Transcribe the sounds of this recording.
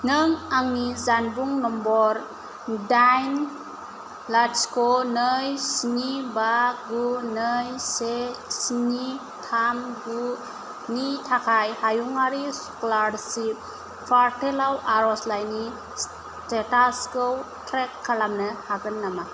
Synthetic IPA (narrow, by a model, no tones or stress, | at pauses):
nɯŋaŋnizanbuŋnɔmbɔɾ | dajn | laskɔnəjsinibaɡunəjsesini | tʰamɡu | nitʰakʰajhajuŋaɾisɔ̥klaɾsi | pʰaɾtelawaɾɔslajni | s | tetaskow | tʰɾekʰːalamnɯhaɡɯnːama